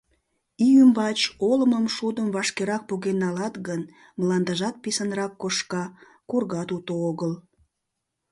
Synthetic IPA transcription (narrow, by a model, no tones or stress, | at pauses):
iymbɑt͡ɕoləməmʃud̪əmvɑʃkeɾɑk̚puɣenːɑlɑt̪ɣən | mlɑnd̪ɑʒɑt̪̚pisənrɑkːoʃkɑ | kurɣɑt̪ut̪ooɣəl